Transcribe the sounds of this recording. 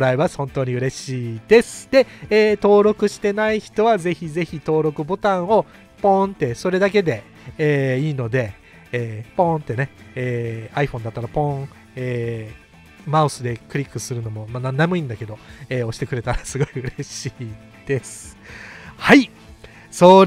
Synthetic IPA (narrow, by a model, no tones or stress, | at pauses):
ɾaiβahõ̞nt̪o̞ːɲ̟iɯ̟ɾe̞ɕiːd̪e̞sɨ̥d̪e̞eːt̪o̞ːɾo̞kɯ̟ɕi̥t̪e̞naiçi̥t̪o̞βaze̞çize̞çit̪o̞ːɾo̞kɯ̟bo̞t̪ãɰ̃o̞ | põ̞nt̪e̞so̞ɾe̞d̪ak̬e̞d̪e̞ː | iːno̞d̪e̞ | eːpõ̞nt̪ːe̞ne̞eːaiɸond̪at̪ːaɾapõ̞ɴ | eː | maɯ̟sɨd̪e̞kɯ̟ɾʲikːɯ̟sɨɾɯ̟no̞mo̞manannamɯ̟ĩnd̪ake̞d̪o̞eːo̞ɕi̥t̪e̞kɯ̟ɾe̞t̪aɾasɨɡo̞iɯ̟ɾe̞ɕiː | d̪̥e̞sɨ̥ | hai | soːɾ